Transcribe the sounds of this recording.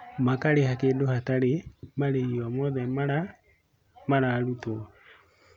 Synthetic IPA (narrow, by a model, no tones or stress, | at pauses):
makaɾehakeːndohataɾemaɾeiamɔðɛmaɾa | maɾaɾutɔ